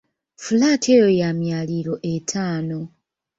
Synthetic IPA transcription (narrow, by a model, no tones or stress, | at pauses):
fulaːtʰejojamjaːliɾo̞ʔetʰaːno̞